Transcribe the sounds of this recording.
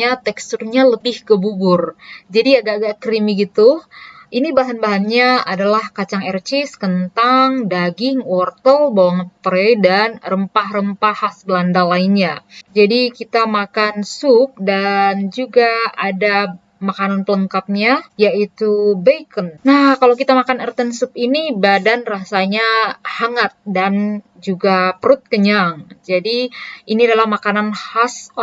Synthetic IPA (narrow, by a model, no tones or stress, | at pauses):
at̪ɛkst̪urɲaləbɪhkəbubʊrd͡ʒadiaɡaʔɡaʔkɾimiɡit̪uʔinibaɦanbaɦanɲaadalahkat͡ʃaŋɛrt͡ʃɪskənt̪aŋdaɡɪŋwɔrt̪əlbawaŋət̪pəɾɛdanrəmpahrəmpahasbəlandalainɲad͡ʒadikit̪amakansʊp̚dand͡ʒuɡaada | makananpələŋkap̚ɲajait̪ubejkənnahkalawk̬it̪amakanərt̪ənsupinibadanrasaɲahaŋat̪̚dan | d͡ʒuɡapəɾʊt̪̚kəɲaŋd͡ʒadiiniadalahmakananhas